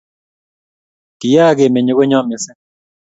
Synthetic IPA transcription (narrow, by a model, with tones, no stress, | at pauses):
ki˨ja˦˨ɡe˨me˨ɲo˨˦ɣo˦ɲɔ˦mɪ˨sɪ˦